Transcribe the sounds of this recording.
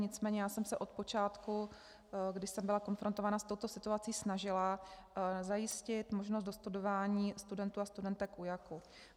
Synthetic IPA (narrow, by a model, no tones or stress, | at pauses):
ɲɪt͡smɛːɲɛjaːsɛmsɛʔo̞t̪po̞t͡ʃaːt̪ku | ɡdɪʃsɛmbɪlako̞nfɾo̞nt̪o̞vaːnast̪o̞wt̪o̞sɪt̪uat͡siːsnaʒɪla | zajɪscɪt̪moʒnost̪do̞st̪udo̞vaːɲiːst̪udɛnt̪uːast̪udɛnt̪ɛkʔujaku